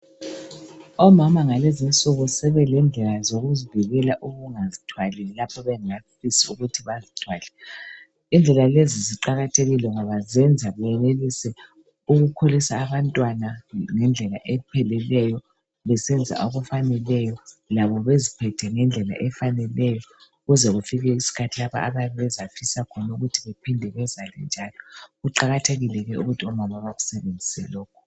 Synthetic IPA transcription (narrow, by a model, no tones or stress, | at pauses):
ɔmamaŋalezint͡sʼuɣɔsɛβɛlɛnd͡ɮʱɛlazoɣuziviɣɛlaʔuɣuŋazitʰwalɛɛlapʰɔβɛŋafisiuɣutʰiβazitʰwaːlɛ | ind͡ɮʱɛlaleziziǃaɣatʰeɣilɛŋɔβazɛnd͡zʱaβɛjɛnelisɛ | uɣukʰolisaːβantʼwanaŋɛnd͡ɮʱɛlaʔɛpʰɛlɛlɛjɔ | βɛsɛnd͡zʱa̰ʔoɣufanɛlɛjɔlaβɔβezipʰɛtʰɛŋɛnd͡ɮʱɛla̰ʔɛfanɛlɛjɔ | ɣuzɛɣufiɣɛisi̥kʰatʰilaβa̰ːβaɛβɛzafisakʰɔnauɣutʰiβepʰindʱɛβɛzalɛ̰nd͡ʒʱalɔɣuǃaɣatʰeɣilɛɣɛṵɣutʰiɔmamaβaɣusɛβend͡zʱisɛlɔːkʰɔ̥